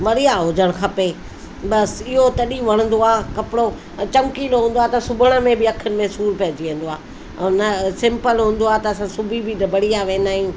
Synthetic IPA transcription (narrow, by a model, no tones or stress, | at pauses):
ʋɐɽijaɦʊd͡ʑəɽ̃xʰɐpe | bɐsɪɦot̪ɐɗiʋɐɽ̃ə̃nd̪oaːkɐpɪɽo | t͡ɕɐ̃ŋkiːlɦũːnd̪oaːt̪ɐsʊbʱʊɽ̃ə̆mẽbɪɐkʰənɪ̆mẽsuːɾpɐɦd͡ʑiʋẽːnd̪oaː | nəsɪ̃mpəlɦũːnd̪oaːt̪ɐːsãsʊbʱibʱinɐbʱɐɽijaʋẽːnd̪aːɦijũː